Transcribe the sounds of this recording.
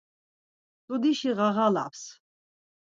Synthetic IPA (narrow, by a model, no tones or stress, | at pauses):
t̪ʼud̪iʃiʁaʁala̰ps